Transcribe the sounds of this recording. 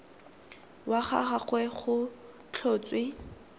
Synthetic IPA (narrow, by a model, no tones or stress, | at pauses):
waχa̰χaχwɛχʊ | t͡ɬʰoːt͡sʼwɪ